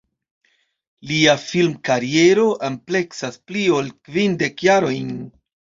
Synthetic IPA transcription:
liafilmkaɾie̞ɾo̞ʔample̞ksasplio̞lkvinde̞kjaɾo̞jn

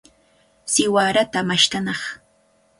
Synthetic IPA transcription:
sɪwaɾat̪amaʃt̪anɑχ

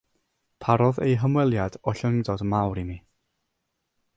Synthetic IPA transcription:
pʰaɾɔðḛjɦəmwɛlˠjad̥ɔɬəŋdɔdmawɾimi

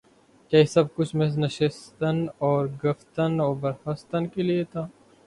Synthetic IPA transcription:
kaːisɐb̚kʊt͡ʃʰmes̬nɐʃɪst̪ənɔːɾɡɐft̪ənɔːɾbɐɾxəst̪ənkeliet̪ʰaː

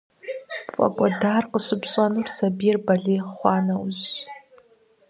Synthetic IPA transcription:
fʼɐ̰kʷʼɔdaːrqəsɨpɕʼanɨrsɐbijɛrbɐɮeːjχʷɑːnɐwz

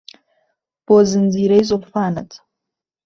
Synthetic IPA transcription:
b̥ozɨnd͡ziɾejzʼofaːnɐtʰʼ

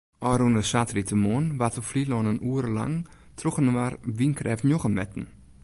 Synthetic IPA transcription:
ʔɔɾunəsatritəmonʋatəflilɔnənuəɾəla̰ŋ | tʰroxənəʋarʋinkʰrɛfnjoxənmɛtn̩

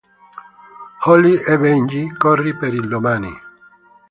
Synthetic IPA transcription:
hɔliʔɛbɛɲd͡ʒikɔrːipeɾild̪omaːnḭ

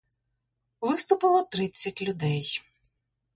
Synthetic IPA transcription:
ʋɪst̪ʊpɪlˠɔt̪ɾɪt͡sʲːɐtʲlʲʊd̪ɛj

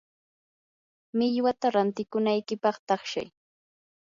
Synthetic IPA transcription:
mɪʎwat̪aɾant̪ɪkʊnajkɪpɑχt̪ɑχʃa̰j

